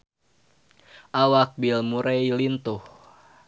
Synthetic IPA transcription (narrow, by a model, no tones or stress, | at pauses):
ʔawak̚bilmuɾɛjlint̪uh